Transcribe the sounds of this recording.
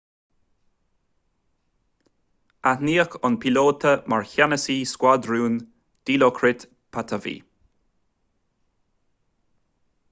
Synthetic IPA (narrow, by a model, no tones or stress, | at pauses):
aniːəxʊnpʰiloːt̪ʰəmaɹçanəsiːskwad̪ɹuːn | d̪̥iːlokʰɾɪt̪ | pʰat̪ʰəvḭː